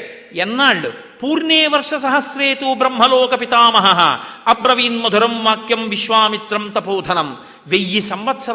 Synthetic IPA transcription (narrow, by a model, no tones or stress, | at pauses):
jenːaːɭːu | puːɾneːʋɐɾʂɐsɐɦɐsɾeːt̪ubɾɐmɦɐloːkɐpit̪aːmɐɦɐɦɐ̰ɐpɾɐʋiːnmɐd̪ʱuɾɐmʋaːkjɐmʋiʃʋaːmit̪ɾɐmt̪ɐpoːd̪ʱɐnɐm | ʋejːisɐmʋɐt̪sɐ